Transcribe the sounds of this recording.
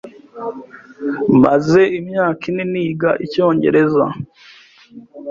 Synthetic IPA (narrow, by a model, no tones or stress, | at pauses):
mbaze̞imɲaːkineniːɡaʔico̞ːɲɟe̞̰ɾe̞za̰